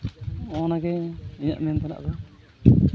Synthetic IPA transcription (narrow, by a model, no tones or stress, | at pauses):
ɔnaɡɛiɲa̰ʔmɛant̪ana̰ʔd̪ɔ